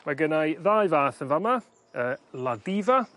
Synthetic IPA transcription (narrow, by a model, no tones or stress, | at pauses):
maɡənajðajvaːθənvama | əːladiva